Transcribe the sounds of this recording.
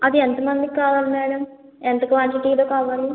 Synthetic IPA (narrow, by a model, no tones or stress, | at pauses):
ɐd̪ient̪ɐmɐnd̪ikaːʋaːlmeːɽɐm | ent̪ɐkʋaːɳʈiʈiːloːkaːʋaːlu